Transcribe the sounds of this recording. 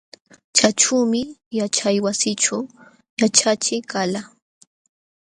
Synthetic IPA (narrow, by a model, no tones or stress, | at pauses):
t͡ʃat͡ʃuːmɪjat͡ʃajwasɪt͡ʃaw | jat͡ʃat͡ʃɪkala